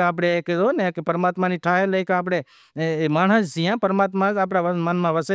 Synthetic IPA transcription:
aːp̬ɽekeonekpəɾmaːt̪maniʈʰaːɦeləjkaːp̬ɽ̃e | maːɳ̤əs̬d͡ʒijãpəɾmaːt̪mãzaːp̬ɽaʋəmənmãʋəse

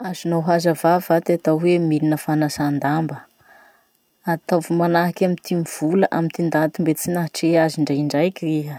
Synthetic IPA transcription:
azinawɦazavavat̪iat̪awwemilinəfanasand̪ambə | at̪avumanaɦakʲamint̪ʰimiv̥uləʔamint̪ind̪at̪umbet͡sinaɦʈ͡ʂeaziɳɖ͡ʐaiɳɖ͡ʐajkʲiriɦə

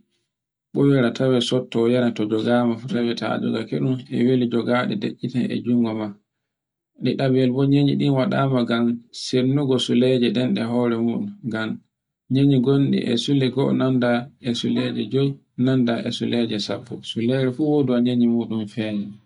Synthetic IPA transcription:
ɓɔwɛɾatʰawɛsɔtːɔjanatɔd͡ʒɔɡaːmafutawɛta̰d͡ʒɔ̰ɡakeɗumɛ̰welid͡ʒɔɡaɗɛ̰deʔːitanɛ̰d͡ʒuŋɡɔma | ɗiɗabɛlbɔɲeɲḭɗinwaɗamaɡamsenːuɡɔsulɛd͡ʒɛɗɛnɗɛɦɔːɾɛmuːɗumɡam | ɲeɲiɡonɗḭʔɛ̰sulɛɡɔ̰nandaɛsulɛd͡ʒɛd͡ʒɔj | nandaʔɛsulɛd͡ʒɛsapːɔsulɛɾɛfuwoduaɲeɲimuːɗumfɛːd͡ʒɛ

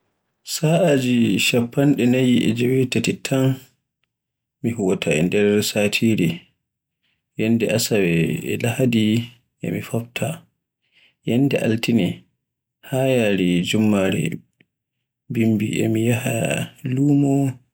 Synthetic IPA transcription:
saʔad͡ʒiʃapːanɗɛnajiʔɛ̰d͡ʒɛwɛtatitʰːan | miɦuwatʰaɛ̰ndɛɾsaːtʰiːɾɛ | jandɛʔasawɛɛ̰lahadi | ʔɛ̰mifabtʰa | jandɛʔa̰ltinɛ | hajaɾid͡ʒumːaɾɛ̰ | bimbḭʔɛ̰mijahaluːmɔ

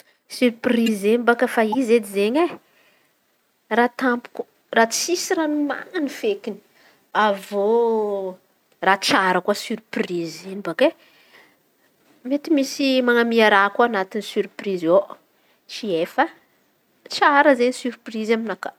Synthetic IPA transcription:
syɾprizembakəfaized̪izeɲe | rat̪ampu̥ku̥ | rat͡sisiɾanima̰nifekini̥ | avo | rat͡ʃaɾəkuasyɾprizebake | met̪imisimaŋamiaɾakuanat̪inisyɾprizo | t͡ʃiefə | t͡ʃaɾəzeɲisyɾprizaminaka

